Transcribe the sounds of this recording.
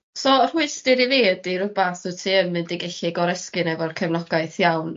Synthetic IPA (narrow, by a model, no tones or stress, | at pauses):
sɔːr̥uɨstɪɾiveːdiɾʊbaθʊtʰiənmɨndiɡɛɬɪɡɔɾɛskɨnɛvɔrkʰɛvnɔɡaɨθjawn